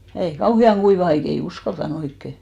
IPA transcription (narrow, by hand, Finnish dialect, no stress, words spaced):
ei kɑuhiɑŋ ɡ̊uiʋɑ ɑik ei uskɑltɑn oikːe